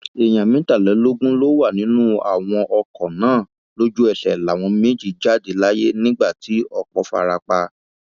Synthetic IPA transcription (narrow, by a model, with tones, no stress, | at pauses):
e˨j̃ã˨mĩ˨˦ta˦˨lɛ˨˦lo˦ɡũ˦lo˦wa˦˨nĩ˨˦nũ˦a̰˨w̃ɔ̃˧ʔɔ˧kɔ̃˨nãː˨˦˨ | lo˦d͡ʒu˦ɛ˦˨ɬɛ˨la˨w̃ɔ̃˧me˦˨d͡ʒi˦˨d͡ʒa˦˨de˨˦la˦je˦nĩ˦ɡ͡ba˦˨ti˨˦ɔ˦˨k͡pɔ˧˦fa̰˧ɾa˧k͡pa˧